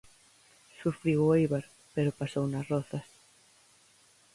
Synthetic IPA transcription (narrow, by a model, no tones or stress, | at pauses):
sufɾiwʊejβaɾ | peɾʊpasownɐsrɔθɐs